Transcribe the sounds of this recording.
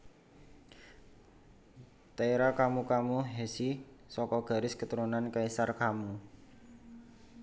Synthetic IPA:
t̪aeɾakamukamuɦesi | sɔkɔɡ̥a̤ɾɪskət̪əɾunankaisarkamu

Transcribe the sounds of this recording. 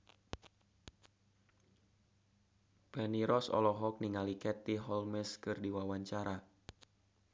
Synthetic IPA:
bɛniɾɔsɔ̰lɔɦɔk̚niŋalikɛt̪iɦɔlmɛskɨrdiwawaɲt͡ʃaɾa

